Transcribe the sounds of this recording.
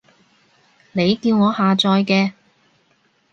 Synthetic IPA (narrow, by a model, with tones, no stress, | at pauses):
ne˨˧jkiː˧wŋɔː˨˧haː˨t͡sɔː˧jkɛː˧